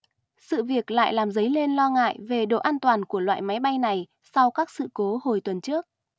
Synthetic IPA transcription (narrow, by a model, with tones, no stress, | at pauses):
sɨ̰˧˨vi˨˩ək̚la̰ː˧˨jlaː˨˩mzə˨˦jle˧nlɔ˧ŋa̰ː˧˨jve˨˩ɗo̰˧˨ʔaː˧nt̪waː˨˩nku˧˩əlwa̰ː˧˨jma˨˦jɓa˧jna˨˩j | sa˧wkaː˦˥k̚sɨ̰˧˨ko˨˦ho˨˩jt̪wə˨˩nt͡ɕɨ˦˥ək̚